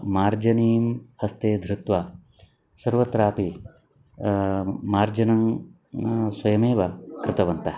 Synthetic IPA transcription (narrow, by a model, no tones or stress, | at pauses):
maːɾd͡ʒɐniːmhɐst̪eːd̪ʱɾɪt̪ʋa | sɐɾʋɐt̪ɾaːpi | maːɾd͡ʒɐnɐŋ | swɐjɐmeːʋɐkɾɪt̪ɐʋɐnt̪ɐ